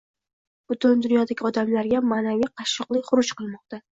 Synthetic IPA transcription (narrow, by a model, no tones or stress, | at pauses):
b̥ʊt̪ʰʊnd̪ʊnjɒd̪aɡʲɒd̪amlaɾɡʲamaːnavijqʰɑʃːɨqlˠɪχʊɾʊt͡ʃqɨlˠmɒq̚t̪a